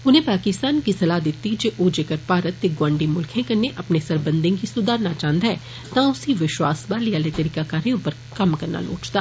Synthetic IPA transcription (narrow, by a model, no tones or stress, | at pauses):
ʊnẽːpaːkɪst̪aːnkisɐlaːd̪ɪt̪ːid͡ʒeːʔod͡ʒeːkəɾpaːɾət̪ːeɡwãːɳɖimʊlkʰẽːkɐneʔɐpnesɐɾbə̃nd̪ẽŋkisʊd̪aːɾnat͡ʃãːnd̪aɛː | t̪ãʊsiʋɪʃwa̰ːsbaːliaːlet̪əɾiːkaːkaːɾijʊ̃pəɾ | kəmkɐɾna̰ːlo̰ːt͡ʃt̪a̰ː